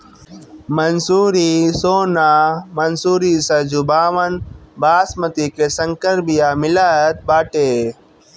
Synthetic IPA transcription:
mɐnsuːɾisoːnaːmɐnsuːɾiːsɐd͡ʒubaːʋɐnbaːsmɐt̪ikesɐŋkəɾbijaːmɪlaːt̪̚baːʈeː

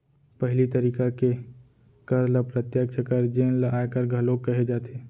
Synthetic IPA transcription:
pɐɦɪlit̪ɐɾiːkake | kɐɾləpɾət̪jək̚t͡ʃʰəkəɾd͡ʒeːnlaːjkəɾɡʱɐloːɡ̚kːɐɦed͡ʒaːt̪ʰeː

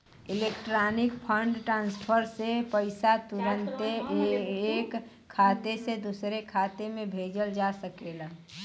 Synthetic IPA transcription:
ɪlekʈɾaːnɪkpʰəɳɖʈɾãːnspʰəɾsepəɪsat̪uɾə̃nt̪e | k | kʰːaːt̪esed̪usɾekʰaːt̪emẽbʱeːd͡ʒəld͡ʒasəkela

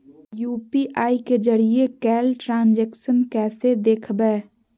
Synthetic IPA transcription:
juːpiʔaːiked͡ʒəɽiekɛːlʈɾãːnd͡ʒɛːkʃənkɛːsed̪eːkʰbɛː

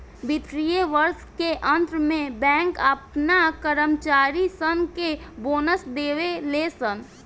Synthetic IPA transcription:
bɪt̪ɾijeʋəɾskeʔə̃nt̪ɾmẽbɛ̃ːŋkəpnakəɾəmt͡ʃaːɾisənkeboːnəsd̪eːʋeleːsən

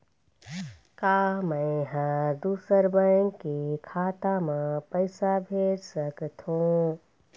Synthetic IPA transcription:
kaməɪɦãd̪usəɾbəŋkekʰaːt̪amẽpəɪsabʱeɾsəkt̪ʰũ

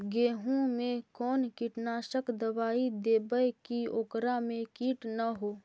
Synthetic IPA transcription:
ɡeːɦõmẽkɔːnkiʈnaːʃəkd̪əʋaːid̪eːbəjkioːkɾamẽkiːʈnaɦoː

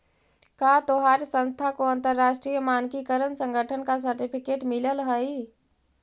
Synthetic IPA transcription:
kat̪oɦaɾsə̃nst̪ʰakoə̃nt̪əɾːasʈɾijəmankikəɾənsə̃ŋɡʱəʈʰənkas̬əɾʈipʰikeʈmiləlɦəi

